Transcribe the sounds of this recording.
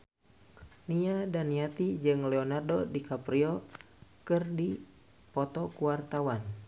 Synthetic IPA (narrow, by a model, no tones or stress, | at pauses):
niadaniat̪id͡ʒɨŋlɛɔnardɔdikapɾiɔ | kɨrdi | pɔt̪ɔkuwart̪awan